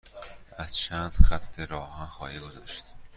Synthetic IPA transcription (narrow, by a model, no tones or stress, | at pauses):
ʔæz̥t͡ʃʰæːnd̪̥xæt̪ʰːe̞ɾɒːhænxɒːhiːɡozɒːʃt̪